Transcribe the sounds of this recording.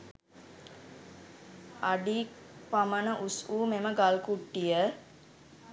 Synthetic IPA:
aɖi | pamənəʔusuːmeməɡalkuʈːijə

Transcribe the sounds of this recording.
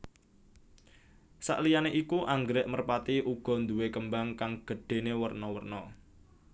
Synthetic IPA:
sa̰ʔlijaneʔikuʔaŋɡɾɛʔmərpat̪iʔuɡ̥ɔ̤nd̪uwekəmbaŋkaŋɡ̥ə̤ɖ̥e̤newərnɔwərnɔ

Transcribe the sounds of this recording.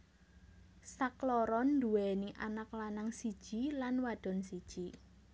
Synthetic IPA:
saklɔɾɔnd̪uɛniʔanaklanaŋsid̥ʒ̥i̤lanwad̥ɔ̤nsid̥ʒ̥i

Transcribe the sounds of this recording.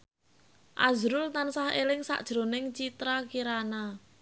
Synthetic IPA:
ʔazɾʊlt̪ansahḛlɪŋsa̰ʔd̥ʒ̥ɾo̤nɪŋt͡ʃit̪ɾakiɾana

